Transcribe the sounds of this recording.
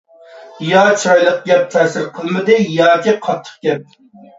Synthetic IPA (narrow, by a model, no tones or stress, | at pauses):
jɑt͡ʃʰɑjlˠəq̚ɡʲɛp̚t̪ʰɛːsɪɾqʰəlˠmɨd̪ɨjɑːkʲiqʰɑt̪ʰːə̥χkʲɛp̚